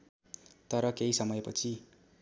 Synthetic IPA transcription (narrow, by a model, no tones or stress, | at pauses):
t̪ʌɾʌkeɦisʌmʌjpʌt͡sʰi